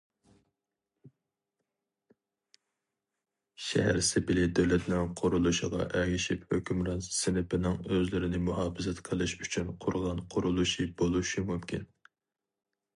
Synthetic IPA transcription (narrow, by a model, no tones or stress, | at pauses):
ʃɛ̰ɦæɾsɪbɪlɪd̪øwlɛt̪nɪŋqʰʊɾulˠuʃiʁɑ̰ʔɛɡʲɪʃiphøkʲymɾɑnssɪnɪpɪnɪŋøzlɪɾɪnɪmuhɑːfɨzɛt̪qʰəlˠɨʃyt͡ʃʰynqʰʊɾʁɑnqʰʊɾulˠuʃibolˠuʃimumkʲʰḭn